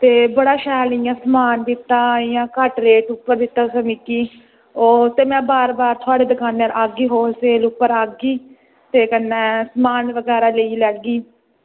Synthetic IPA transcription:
t̪eːbəɽaːʃɛːlɪjãːsəmaːnd̪ɪt̪ːãːɪjãːkəʈɾeːʈʊpːəɾd̪ɪt̪ːaːsəmɪkiː | oːt̪eːmɛ̃ːbaːɾbaːɾt̪ʰʊaːɽeːd̪əkaːnːaːɾʔaːɡiːɦoːseːlʊpːəɾaːɡiː | t̪eːkənːɛːsmaːnʋəɡɛːɾaːləiːlɛːɡiː

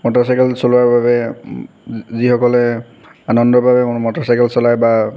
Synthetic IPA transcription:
mɔtɔsajkɛlsɔlʊwaɹbabɛ | zixɔkɔlɛ | anɔndɔɹbʱabɛʊnmɔtɔsajkɛlsɔlajba

